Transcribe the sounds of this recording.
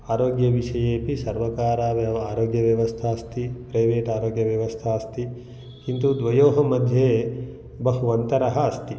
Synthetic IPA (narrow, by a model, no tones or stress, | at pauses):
aːɾoːɡjɐʋiʃɐjeːpisɐɾʋɐkaːɾaːʋɐaːɾoːɡjɐʋjɐʋɐst̪ʰaːɐst̪ipɾɐjʋeːʈaːɾoːɡjɐʋjɐʋɐst̪ʰaːɐst̪i | kint̪ud̪ʋɐjoːɦɐmɐd̪ʱjeː | bɐɦuʋɐnt̪ɐɾɐɦɐːst̪i